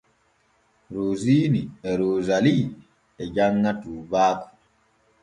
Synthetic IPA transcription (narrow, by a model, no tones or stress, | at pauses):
ɾoːziːniɛɾoːzali | ɛd͡ʒaŋːatuːbaːkɔ̥